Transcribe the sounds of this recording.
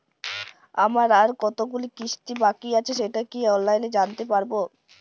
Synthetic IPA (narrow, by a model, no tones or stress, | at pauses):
amaɾaɾkɔt̪oɡulikiʃʈibakiat͡ɕʰeʃeʈakiɔnlajned͡ʑant̪epaɾbo